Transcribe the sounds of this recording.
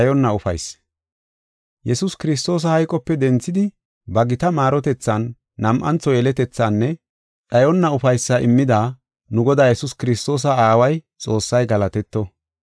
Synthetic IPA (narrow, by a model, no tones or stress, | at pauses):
ɐjɔnːɐʊfɐ̰js | jɛsʊskɪɾɪs̬t̪o̞ːs̬ɐhɐjkʼɔpːɛd̪ɛnt͡sːɪd̪ɪ | bɐɡɪt̪ɐmaːɾɔt̪ɛt͡sːɐnː | ɐmʔɐnt͡sːɔjɛlɛt̪ɛt͡sːanːɛ | t͡sʼɐjɔnːɐʊfɐjsːɐʔɪmːɪd̪aː | nʊɡɔd̪aːjɛsʊskɪɾɪst̪o̞ːs̬ɐaːwɐj | t͡sʼo̞ːsːɐjɡɐlɐt̪ɛt̪ːɔ